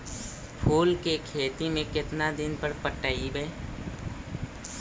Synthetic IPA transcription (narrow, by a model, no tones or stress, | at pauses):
pʰuːlkekʰeːt̪imẽkɪt̪nad̪ɪnpəɾpəʈaibɛ